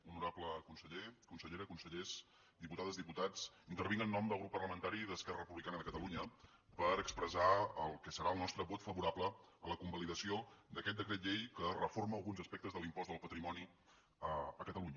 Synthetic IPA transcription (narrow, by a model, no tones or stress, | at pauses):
unuɾapləkunsəʎekunsəʎeɾəkunsəʎes | d̪iput̪aðəzðiput̪at͡s | int̪ərβinənːɔmd̪əlˠɣɾupːərləmənt̪aɾiðəskɛrərəpuβlikanəðəkət̪əluɲə | pəɾəkspɾəzaəlˠkəsəɾaəlˠnɔst̪ɾəβot̪fəβuɾapləələkumbəliðəsiod̪əkɛt̪̚d̪əkɾɛt̪̬ʎejkərəforməːlˠɣunzəspɛk̚t̪əzðəlˠimpɔzðəlˠpət̪ɾimɔni | əəkət̪əluɲə